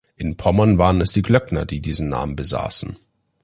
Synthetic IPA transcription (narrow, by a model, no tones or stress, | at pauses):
ʔɪnpʰɔmɐnvaːʁənɛsd̥iːɡlœknɐ̰diːdiːzn̩na̰ːmənbəza̰ːsn̩